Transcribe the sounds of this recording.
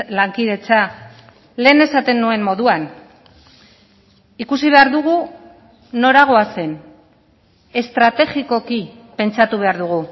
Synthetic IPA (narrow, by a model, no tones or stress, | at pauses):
laŋkiðe̞t͡sa | le̞ːne̞sat̪e̞nːue̞mmo̞ðuan | ikusiβ̞e̞aɾðuɣu | no̞ɾaɣ̞o̞ase̞n | e̞st̪ɾat̪e̞ʝiko̞ki | pe̞nt͡sat̪uβ̞e̞aɾðuɣ̞u